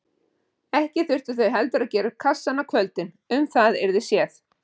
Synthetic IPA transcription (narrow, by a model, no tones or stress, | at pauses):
ɛhcɪθʏr̥t̪ʏ̥θœɥɦɛlt̪ʏɾaðcɛːɾʏkʰasːanakʰvœlt̪ɪn | ʏmθaðɛɾðɪsjɛːθ